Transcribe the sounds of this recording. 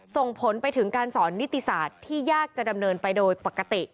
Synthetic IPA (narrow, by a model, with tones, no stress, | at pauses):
so˨˩ŋpʰo˩˦npa˧jt̪ʰɯ˩˦ŋkaː˧nsɔː˩˦nːi˦˥t̪ːi˨saː˨˩t̪ʰːiː˥˩jaː˥˩k̚t͡ɕa˨˩da˧mnɤː˧npa˧jdoː˧jpa˨˩kːa˧t̪i˨˩ʔ